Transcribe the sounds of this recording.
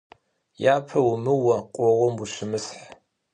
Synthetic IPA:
jaːpʰɐwumɨwɐqʷʼɔwɔmuɕɪmɨsħ

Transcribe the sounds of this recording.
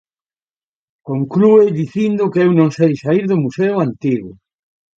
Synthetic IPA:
koŋklueðiθind̪ʊkeewnõŋsejsaiɾðʊmuseʊant̪iɣʊ

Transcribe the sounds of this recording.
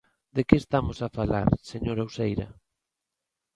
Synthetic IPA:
d̪ekest̪amosafala̰ɾseɲoɾausejɾɐ̰

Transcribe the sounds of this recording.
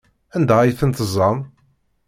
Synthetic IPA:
ænd̪æjθənt̪əzˤːɑm

